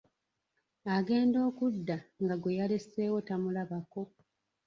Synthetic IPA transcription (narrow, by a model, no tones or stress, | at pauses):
aɡe̞ːndo̞ːkudːaŋɡaɡwejale̞se̞ːwo̞tamulaβako̞